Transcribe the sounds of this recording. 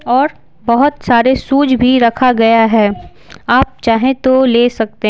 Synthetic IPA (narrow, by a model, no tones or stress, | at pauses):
ɔːɾ | bɐɦʊt̪saːɾesuːd͡ʒbʱiɾɐkʰaɡɐjaɦɛː | aːp̚t͡ʃaːɦẽt̪oleːsɐk̚t̪e